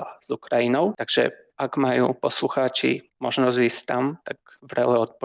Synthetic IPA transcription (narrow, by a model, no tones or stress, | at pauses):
az̥ukɾajinɔ̃w̃t̪aɡʐɛ̰ | akmajɔ̰̃w̃pɔswuxat͡ɕḭmɔʐnazisʲt̪amt̪aɡ | vɾawɛɔt̪̚pɔ